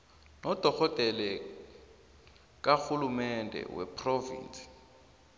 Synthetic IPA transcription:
nɔd̥ʱɔkɔd̥ʱɛlɛ | k̬axulumɛndʱɛ̰wɛ̰pʰrovḭːnt͡sʼi̥

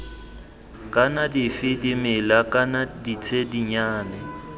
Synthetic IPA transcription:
kʼanadɪfɪdimɪlakʼanadit͡sʰediɲaːnɛ

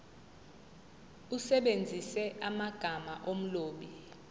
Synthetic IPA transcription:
usɛɓend͡zʱisɛamaɡ̥ʱamaʔom̩loːɓi

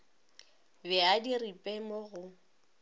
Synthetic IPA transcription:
bɛadiripʼemoɣʊ

